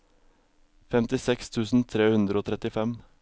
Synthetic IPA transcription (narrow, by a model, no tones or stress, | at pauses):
fɛmt̪ɪsɛkst̪ʰʉːsn̩t̪ʰɾeːhʉnd̪ɾəoːt̪ʰɾɛt̪ɪfɛm